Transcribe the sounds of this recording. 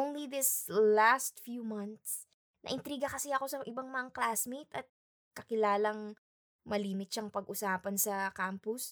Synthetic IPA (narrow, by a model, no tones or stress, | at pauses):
onliðɪslast̪̚fjuːmɐnt̪s | nʔɐ̰ʔɪnt̪ɾiːɡɐkɐsɛɐko̞sɐʔɪbaŋmɐŋɐklaːsmet̪ʔɐt̪̚ | kɐkɪlaːlɐŋ | mɐliːmɪt̪̚ʃɐŋpɐɡʔʊsaːpɐnsɐkampʊs